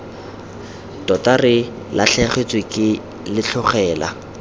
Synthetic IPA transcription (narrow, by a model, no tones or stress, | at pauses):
tɔtarɪ | laɬɛχet͡swɪkʼɪ | lɪt͡ɬʰʊχɛːla